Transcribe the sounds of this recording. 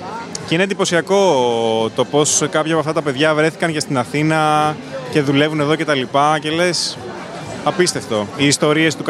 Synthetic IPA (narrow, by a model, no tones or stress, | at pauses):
ceinend̪ipo̞siɐko̞t̪o̞po̞skɐpçɐpoɐft̪ɐt̪ɐpe̞ðʝɐvɾe̞θi̥kɐncɐst̪inɐθinɐ | ce̞ðule̞vuneðo̞ce̞t̪ɐlipɐce̞le̞s | ɐpist̪e̞ft̪o̞iːst̪o̞ɾie̞st̪uk